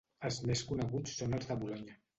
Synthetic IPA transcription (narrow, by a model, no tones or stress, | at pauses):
əlˠzmeskunəɣut͡sːonəlˠzðəβulɔɲə